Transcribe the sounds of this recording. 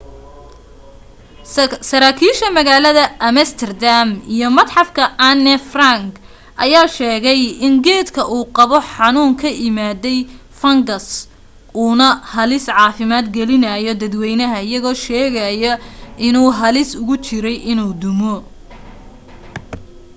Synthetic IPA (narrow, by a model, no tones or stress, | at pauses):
sɐɾaːkʰiːʃɐmɐɣaːlɐðɐɐmɛst̪ʰɛrd̪amijɔmɐd̪ħɑfkʰɐɐnɛfraŋk | ʔɐ̰jaːʃɛːɣɛjɪŋɡɛːd̪kʰɐʔuːqɑβɔħɑnuːŋkʰɐʔɪmaːdɛj | fɐŋɡɐs | uːnɐhɐlɪsʕɑːfɪmaːd̪ɡɛlɪnɐjɔd̪ɐd̪wɛjnɐɦɐɪjɐɣɔːʃɛːɣɐjɐʔɪnuːɦɐlɪsʊɣʊt͡ʃɪɾɛjʔɪnuːd̪ʊmɔ